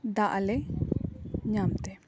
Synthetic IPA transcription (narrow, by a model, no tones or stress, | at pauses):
d̪aʔalɛ | ɲamt̪ɛ